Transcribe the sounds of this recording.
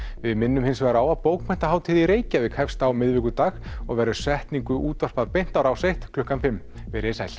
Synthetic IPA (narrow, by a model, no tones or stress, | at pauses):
vɪðmɪnːʏmhɪnsvɛːɾaaːwaðpoːwkmʰɛn̥t̪aɦaːwt̪ʰiːðɪiɾeːjcavɪðkʰɛfst̪awmɪðvɪkʏt̪aːxɔɣvɛːɾʏ̥svɛht̪niŋkʏʔuːt̪var̥paðpejn̥t̪awɾawsejht̪kʰlʏhkanfɪmː | vɪɾɛsajl̥